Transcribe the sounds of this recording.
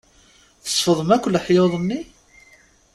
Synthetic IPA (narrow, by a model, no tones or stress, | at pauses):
θə̥sˤfəðˤəmækʷːəlħjoðˤənːi